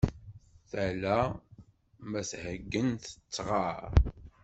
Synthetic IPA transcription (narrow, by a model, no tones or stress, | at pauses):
θælæ | mæshəɡːənt̪ə̥t͡sːʁɑɾ